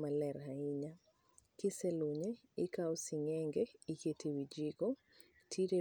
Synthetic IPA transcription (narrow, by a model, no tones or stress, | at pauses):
malɛɾhaɪɲa | kɪsɛloɲe | ɪkaɔsiŋɛŋɡeiketʰewid͡ʒiɡɔ | tʰiɾe